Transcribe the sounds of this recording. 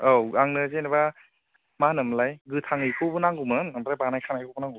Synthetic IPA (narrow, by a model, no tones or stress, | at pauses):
awaŋnɯzenaba | manɯmlajɡɯtʰaŋɯjkʰɯwbɯnaŋɡumɯnambɾajbanajkʰanajkʰɯbunaŋɡu